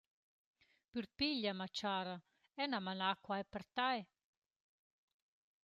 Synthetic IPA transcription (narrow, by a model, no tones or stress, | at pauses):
pyɾpiʎːamat͡ʃaːɾa | ɛnamanakwajpɛɾt̪aj